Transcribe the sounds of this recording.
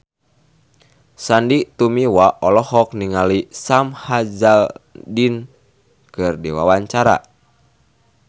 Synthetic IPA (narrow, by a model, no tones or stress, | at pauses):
sandit̪umiwaʔɔlɔhɔk̚niŋalisamhad͡ʒadin | kɨrdiwa̰waɲt͡ʃaɾa̰